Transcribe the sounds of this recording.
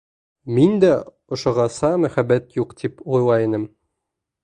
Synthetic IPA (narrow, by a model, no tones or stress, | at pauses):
mind̪æ | ŏʃŏʁɑsɑmæχæbːæt̪juqt̪ipujlˠɑjinɘm